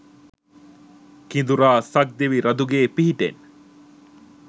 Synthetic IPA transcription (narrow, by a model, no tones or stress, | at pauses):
kind̪uɾaːsɐk̚d̪eʋiɾɐd̪uɡeːpiɦiʈḛn